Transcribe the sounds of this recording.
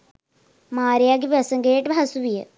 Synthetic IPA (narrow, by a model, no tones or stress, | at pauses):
maːɾijaːɡipɐsɐŋɡeːʈːɨbʱɐsubijɐ